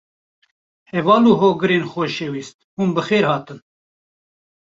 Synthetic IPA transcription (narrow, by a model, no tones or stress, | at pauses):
hɛvɑːluːɦoːɡɨɾeːnxɔʃeːwiːst̪huːnbɨxeːɾhɑːt̪ɨn